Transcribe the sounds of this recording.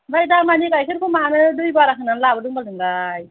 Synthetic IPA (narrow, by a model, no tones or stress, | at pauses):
bajdamanikajkʰɯɾkʰumanɯdujbaɾakʰɯnanlabɯdɯŋbaldɯŋɡaj